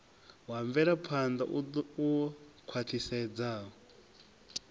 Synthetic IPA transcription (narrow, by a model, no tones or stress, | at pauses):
waɱvɛɾapʰand̪aʔuɔkʰwatʰisɛd͡zaːɦɔ